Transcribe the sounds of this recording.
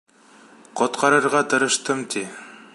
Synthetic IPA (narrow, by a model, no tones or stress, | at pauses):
qŏt̪qʰɑɾɤ̆ɾʁɑt̪ɤ̆ɾɤ̆ʃt̪ɤmt̪ʰi